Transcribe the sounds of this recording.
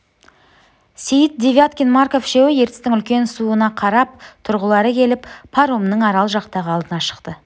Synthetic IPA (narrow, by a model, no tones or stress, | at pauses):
sejɪt̪̚d̪ʲevʲjat̪kʲinmarko̞fʃe̞wɪje̞ɾt̪ɪ̥st̪ɪŋʏlkʲe̞nsuənɑqʰɑɾɑp̚t̪ʰʊɾʁəlˠɑɾəkʲʰe̞lɪppʰaɾomnəɴɑɾɑlˠʒɑqt̪ɑʁəɑlˠd̪ənɑʃə̥qt̪ə